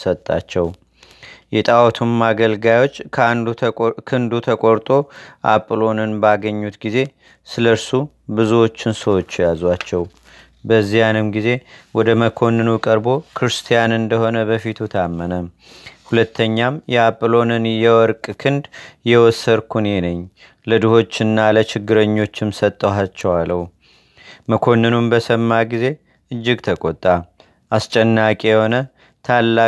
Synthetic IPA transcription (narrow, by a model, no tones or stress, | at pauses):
sət̪ʼːa̰t͡ʃːɛw | jɛt̪ʼawt̪ʰumːaɡəlɡajo̞t͡ʃːʰand̪kʰɨnd̪ut̪ʰəkʼo̞ɾt̪ʼo̞ʔa̰pʼːlo̞nɨnbaɡəɲːut̪ɡize̞ | sɨləɾsu | bɨzuwo̞t͡ʃːɪnsəwo̞t͡ʃːjazwat͡ʃːɛw | bəzːijanɨmɡize̞wɔd̪əməkʰo̞nɨnukʼəɾbo̞kʰɨɾɨst̪ʰijanɨnd̪əho̞nəbəfit̪ʰut̪ʰamːənəm | hulət̪ʰːəɲːamjɛapʼːlo̞nɨnjɛwɔɾkʼkʰɨnd̪jɛwɔsəɾkʰunenəɲː | lɨd̪ɨho̞t͡ʃːɨnːalət͡ʃɪɡːɨɾəɲːo̞t͡ʃːɪmsət̪ʼːəɦat͡ʃːɛwaləwu | məkʰo̞nːɨnumbəsəmːaɡize̞ | ʔɨd͡ʒːɪɡt̪ʰəkʼot̪ʼːa | ʔast͡ʃʼɛnːakʼeɛho̞nə | t̪ʰalːa